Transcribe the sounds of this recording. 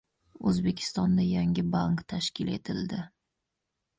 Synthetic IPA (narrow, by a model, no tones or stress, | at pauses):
ɵzbe̞kʲʰɪ̥st̪ɒnd̪ajaŋʲɪbaŋkt̪ʰaʃkʲɪle̞̰t̪ʰɪld̪ɪ